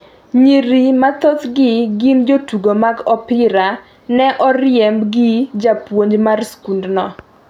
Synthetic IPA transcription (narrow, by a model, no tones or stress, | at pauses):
ɲiɾimat̪ot̪ɡɪɡind͡ʒotuɡomaɡɔpɪɾa | nɛʔɔɾɪjɛmbɡɪd͡ʒapwoɲd͡ʒmarskundnɔ